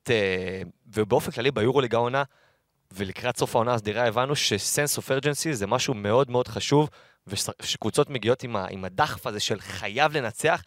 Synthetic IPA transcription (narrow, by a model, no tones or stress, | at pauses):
tevebeo̞fenklalibajuʁuliɡaona | velikʁatso̞fao̞naːsd̪iʁae̞vanuʃe̞se̞nsofeʁd͡ʒensizemaʃume̞o̞dme̞o̞d̥χaʃuv | veʃekvut͡so̞tme̞ɡio̞tima̰ʔḭmadaχfaze̞ʃe̞lχajavle̞nat͡se̞aχ